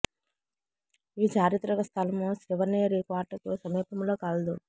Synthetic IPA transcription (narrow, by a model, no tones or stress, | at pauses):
iːt͡ʃaːɾit̪ɾɐɡɐst̪ʰɐlɐmusiʋɐneːɾiːkʋaːɾʈɐt̪oːsɐmiːpɐmloːkaːld̪u